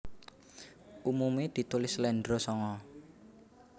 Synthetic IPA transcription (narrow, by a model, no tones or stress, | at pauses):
ʔumumed̪̥i̤t̪ulɪslɛnɖɾosɔŋɔ